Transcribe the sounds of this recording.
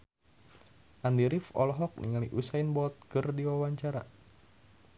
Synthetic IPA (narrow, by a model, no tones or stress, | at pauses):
ʔandiɾifɔ̰lɔɦɔk̚nḭŋaliʔusainbɔt̪̚kɨrdiwawaɲt͡ʃaɾa